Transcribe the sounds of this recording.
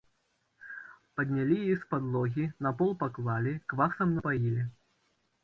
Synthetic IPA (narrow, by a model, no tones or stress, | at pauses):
pɐd̪ʲnʲalʲijjispad̪lˠɔɣʲinapɔlˠpaklˠalʲikvaxsɐmnɐpajilʲi